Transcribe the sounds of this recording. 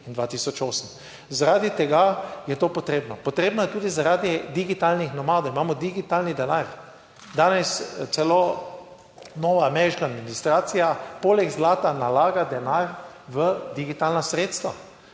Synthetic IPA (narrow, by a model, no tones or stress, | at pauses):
ind̪ʋaːt̪iːsɔt͡ʃoːsəm | zaɾaːd̪it̪ɛɡajɛt̪oːpɔt̪ɾeːbnɔpɔt̪ɾeːbnɔjɛt̪uːd̪izaɾaːd̪id̪iɡit̪alnixnɔmad̪oimaːmɔd̪iɡit̪alnid̪ɛnaɾ | d̪aːnɛst̪sɛlo | nɔːʋaːmɛɾiʃkaːd̪minist̪ɾaːt̪sijapoːlɛɡzlaːt̪analaːɡad̪ɛnaɾ | ʋəd̪iɡit̪aːlnasɾeːt̪st̪ʋa̰